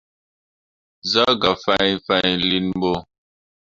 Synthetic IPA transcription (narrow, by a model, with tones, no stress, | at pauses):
za˦ɡa˨fa˦jfa˦˨ɲli˦nm˦bo˦